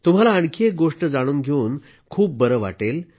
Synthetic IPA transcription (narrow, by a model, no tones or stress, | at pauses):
t̪um̤alaəɳkʰek̚ɡoʂʈəd͡zaɽ̃uːnɡʱeuːn | kʰuːp̚bəɾəʋa̰ʈel